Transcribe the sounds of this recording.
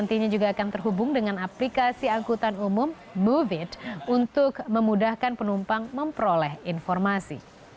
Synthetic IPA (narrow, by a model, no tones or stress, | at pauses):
nt̪iɲad͡ʒuɡaːkant̪ərɦubʊŋdəŋanaplikasiaŋkut̪anumʊmː | uvɪt̪̚unt̪ʊk̚məmudahkanpənumpaŋməmpəɾolɛhinfɔrmasḭ